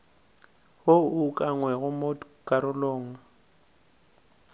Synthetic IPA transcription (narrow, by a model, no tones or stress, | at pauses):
houkʼaŋwɛɣʊmokʼaɾʊlɔːŋa